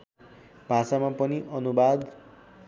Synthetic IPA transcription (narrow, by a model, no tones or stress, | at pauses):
b̥ʱãsamapʌniʔʌnubad̪